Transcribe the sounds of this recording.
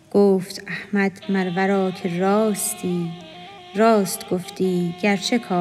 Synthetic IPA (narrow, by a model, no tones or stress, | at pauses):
ɡ̥oːft̪æhmæd̪mæɾvæɾɒːkʰeɾɒːst̪iː | ɾɒːst̪ɡoft̪iːɟæɾt͡ʃʰekʰɒː